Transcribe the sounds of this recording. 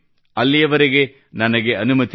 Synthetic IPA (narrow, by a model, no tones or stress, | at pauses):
ɐlːijɐʋɐɾeɡe̞ | nɐnɐɡe̞ɐnumɐt̪